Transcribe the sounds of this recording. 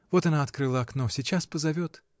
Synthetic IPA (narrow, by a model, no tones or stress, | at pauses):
vo̞t̪ɐnaɐt̪kɾɨlˠəɐknosʲɪt͡ɕaspəzɐvʲo̞t̪